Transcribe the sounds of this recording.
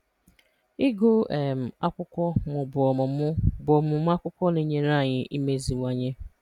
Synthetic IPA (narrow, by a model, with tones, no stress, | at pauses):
i˦ɡo˦e˨m̩˨a˦kʷʊ˦kʷɔ˦mʊ˨bʊ˨ɔ˨m˦bʊ˨ɔ˨mʊ˨m˦a˦kʷʊ˦kʷɔ˦ni˦ɲe˦na˦˨ɲɪ˨ʔi˦me˦zi˨ŋʷa˨ɲe˦